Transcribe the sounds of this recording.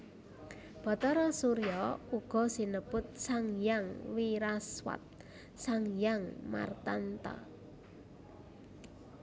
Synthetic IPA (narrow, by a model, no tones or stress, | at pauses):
b̥ɔ̤t̪ɔɾɔsuɾjɔuɡ̥ɔ̤sinəb̥ʊt̪̚saŋjaŋwiɾaswa̰t̪̚ | saŋjaŋma̰rt̪ant̪a̰